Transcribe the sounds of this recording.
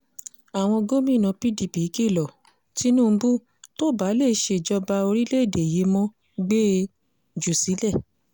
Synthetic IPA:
a˨w̃ɔ̃˧ɡo˦mĩ˦˨nã˧pi˦di˨pi˨˦ki˦˨lɔ˨ | ti˦nũː˦˨˧bu˦ | to˦˨ba˨˦le˦˨˦ʃe˧˨d͡ʒɔ˧ba˧o˧ɾi˦le˦˨de˨je˨˦mɔ̃˦ | ɡ͡beː˦ | d͡ʒu˨si˨˦lɛ˦˨

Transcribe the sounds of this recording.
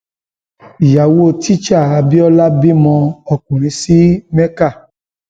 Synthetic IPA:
ja˨wo˦˨ti˦t͡ʃa˦˨a˧bi˦ɔ˦la˦bi˦mɔ̃˧ɔ˧kũ˨ɾ̃ĩ˨˦si˦mɛ̃˦ka˦˨

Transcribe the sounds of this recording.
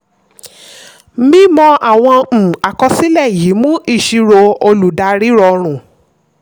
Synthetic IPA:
mĩ˦mɔ̃˧ʔa˦˨w̃ɔ̃˧˨a˨kɔ˧si˦lɛ˦˨ji˨˦mũ˦ʔi˦˨ʃi˧ɾo˧o˧lu˨da˧ɾi˦ɾɔ˧ɾ̃ũ˨

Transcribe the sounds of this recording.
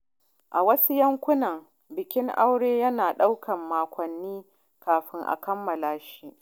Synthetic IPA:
ʔa˨wɐ˦su˦jɐ˦ŋkʷʊ˦nɐ˨ŋ | bɪ˨kʲɪ˦ŋʔa˦wɽeː˦jɐ˦naː˨ɗa˦wkʰɐ˨mːaː˨kʷɔ˨nːiː˦ | kaː˨ɸɪ˦ŋʔa̰˨kɐ˦mːɐ˨laː˦ʃi˦ʔ

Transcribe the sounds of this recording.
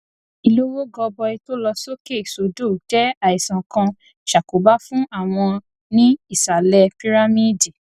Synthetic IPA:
i˨lo˦wo˦ɡɔ˧bɔ˧i˧to˦lɔ˧so˦ke˦˨so˨do˦˨d͡ʒɛ˦a˨i˨sã˨kã˧ | ʃa˨ko˨ba˦fũ˦a˦˨w̃ɔ̃˧ | nĩ˦i˦˨sa˨lɛ˧pi˦ɾa˦mĩ˦˨di˨

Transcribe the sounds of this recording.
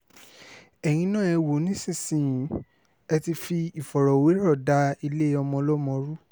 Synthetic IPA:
ɛ˨j̃ĩ˧˦nãː˦˨ɛ˧wo˨˦nĩ˦sĩ˦˨sĩ˦˨jĩ˨˦ | ɛ˧ti˧fi˧i˨fɔ˨ɾɔ˨we˨˦ɾɔ˦˨da˨˧i˧le˦ɔ˧mɔ̃˧lɔ˦mɔ̃˧ɾu˦

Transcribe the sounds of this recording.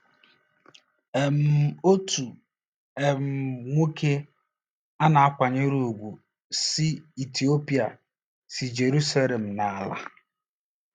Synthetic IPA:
e˨m̩˨o˦tu˨ | e˨m̩˨ŋʷe˦kʰe˦ | a˦na˨a˦kʷa˨ɲɪ˦ɾu˨ɡʷu˨ | si˦i˨ti˨o˦pi˦a˨ | si˨d͡ʒe˨ɾu˦sa˦le˨m̩˨na˨a˨la̰˦

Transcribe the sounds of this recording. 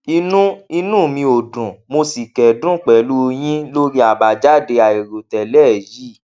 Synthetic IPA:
i˧nũ˦i˧nũː˦˨mĩ˧o˨dũ˨mo˧si˨kɛ˨dũ˦k͡pɛ˨lu˦j̃ĩ˦lo˦ɾi˦a˨ba˨d͡ʒa˦˨de˧a˨e˨ɾo˨tɛ˨lɛː˦˨ji˦˨

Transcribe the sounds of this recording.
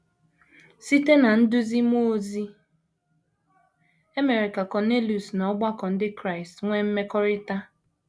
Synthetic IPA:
si˦te˦na˨n̩˦dʊ˦zi˦m˦o˦o˦zi˦ | e˦me˨ɾe˨ka˨kɔ˨ne˦lu˨snɔ˨˦ɡ͡ba˦kɔ˨n̩˦dɪ˦kɾa˦ɪ˨stŋʷe˦m̩˦me˦kɔ˦ɾɪ˦ta˦

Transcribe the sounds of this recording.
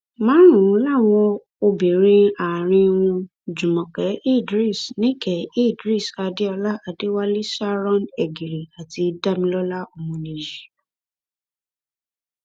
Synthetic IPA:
mãː˨˦ɾ̃ũ˨ũ˨˦la˦˨w̃ɔ̃˧ | o˧be˨ɾ̃ĩ˧a˨ɾ̃ĩ˧wũ˧ | d͡ʒũ˨mɔ̃˨kɛ˨˦i˦˨dɾi˦˨snĩ˦kɛ˨i˦˨dɾi˦˨sa˧de˦ɔ˧la˦a˧de˦wa˦li˦sa˦ɾɔ̃˦˨nɛ˨ɡi˨ɾi˨a˨ti˧da˦˨mĩ˧lɔ˦la˦o˧mũ˧nĩ˧˨ji˨

